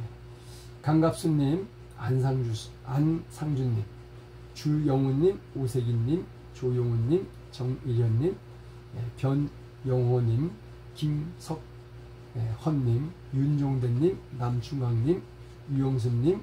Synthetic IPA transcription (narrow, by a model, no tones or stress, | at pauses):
e | kaŋɡap̚s͈unːim | ansʰaŋu | ansʰaŋd͡ʑunːim | t͡ɕujʌŋuɲːimosʰeɡinːim | t͡ɕojoŋunːim | t͡ɕʌŋiɾjʌnːim | epjʌn | jʌŋɦʌɲim | kimsʰʌk̚ | ehʌnːim | jund͡ʑoŋdenːimnamt͡ɕʰuŋaŋɲim | jujʌŋs̬ʰunɲim